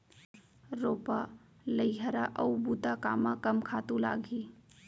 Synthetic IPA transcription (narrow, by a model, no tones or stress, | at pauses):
ɾoːpa | ləjɦəɾaʔəwbut̪akaːmakɐmkʰaːt̪ula̰ːɡʱi